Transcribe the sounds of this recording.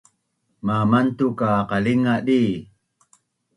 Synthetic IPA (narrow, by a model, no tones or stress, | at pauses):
mamantukaqaliŋaɗi